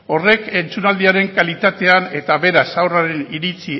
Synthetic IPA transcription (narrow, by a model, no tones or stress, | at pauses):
o̞re̞ke̞nt͡sunald̪iaɾe̞ŋkalit̪at̪e̞ane̞t̪aβe̞ɾasawraɾe̞niɾit͡si